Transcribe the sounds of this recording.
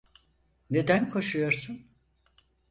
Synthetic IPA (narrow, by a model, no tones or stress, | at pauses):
ne̞d̪ænkʰo̞ʃujo̞ɾsun